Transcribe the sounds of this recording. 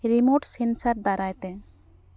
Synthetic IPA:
ɾimoɖsensaɾd̪aɾajt̪e

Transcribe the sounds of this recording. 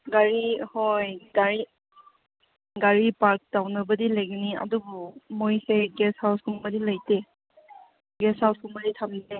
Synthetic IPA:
ɡaɹihɔjɡaɹi | ɡaɹipaɹk̚tawnɯbədiləjɡɯnia̰dubumojseɡɛshawskumbadiləjte | ɡɛshawskʰumbaditʰamnidɛ

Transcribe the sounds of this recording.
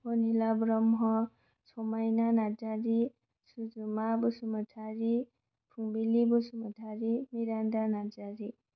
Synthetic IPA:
ponilabɾɔmɦʌ | t͡sʰomajnanad͡zaɾi | sud͡zumabusumʌtʰaɾi | pʰuŋbilibusumətʰaɾimiɾandanad͡zaɾi

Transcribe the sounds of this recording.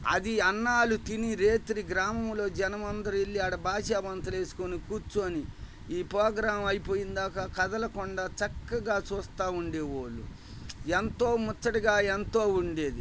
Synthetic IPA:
ɐ̰d̪iɐnːaːlut̪iniɾe̞ːt̪ɾiɡɾaːmɐmlo̞ːd͡ʒɛnɐmɐnd̪ɐɾuilːiɐɽɐbaːʃaːʋɐnt̪ɐle̞ːsu̥konikuːt͡ʃːuɐni | iːpɾoːɡɾaːɐmɐjipoːjind̪aːkakɐd̪ɐlɐkɔɳɖat͡ʃɐkːɐɡaːt͡ʃuːst̪aːuɳɖe̞ːoːɭːṵ | ent̪o̞ːmɔt͡ʃːɐʈiɡaːent̪o̞ːuɳɖe̞ːd̪i

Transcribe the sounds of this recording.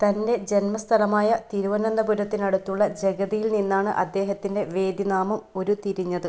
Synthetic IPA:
t̪ɐnde̞d͡ʑenmɐst̪ʰɐlɐmaːjɐt̪iɾuʋɐnɐnd̪ɐbuɾɐt̪ːinɐɽut̪ːuɭːɐd͡ʑe̞ɡɐðijilninːaːɳɨʔɐd̪ːe̞ːɦɐt̪ːinde̞ʋe̞ːd̪jinaːmɐmo̞ɾut̪iɾiɲːɐðɨ

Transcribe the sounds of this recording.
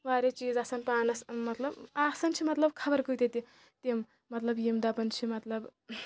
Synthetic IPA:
ʋaːɾet͡ʃiːd͡zɐsɐnpaːnɐsmɐt̪lɐbasɐnt͡ʃʰimɐt̪lɐbkʰɐbɐɾkɨjt̪et̪i | t̪emː | ɐt̪lɐbjimd̪apɐnt͡ʃʰimɐt̪lɐb

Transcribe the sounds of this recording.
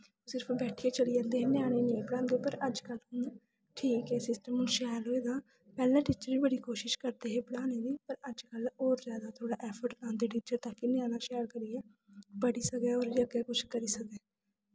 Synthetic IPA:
sɪɾəpʰbɛːʈʰieːt͡ʃəlijãːnd̪eːɦeːnɪjãːɽ̃ẽːnẽːbəɽãːnd̪eːpəɾəd͡ʒkəlʊn | ʈʰiːkɛːsɪsʈəmʊ̃nʃɛːɾɦoːeːd̪ãː | pɛːlãːʈiːt͡ʃəɾiːbəɽiːkoːʃɪʃkəɾd̪eːɦeːbəɽãːneːd̪iːpəɾəd͡ʒkəloːɾzjaːd̪aːt̪ʰoːɽaːʔɛːpʰəɾʈãːnd̪eːʈiːt͡ʃəɾt̪aːkɪnɪãːnãːʃɛːɾkəɾiɛː | bəɽiːsəkɛːɔːɾd͡ʒəɡɛːkʊt͡ʃʰkəɾiːsəkɛː

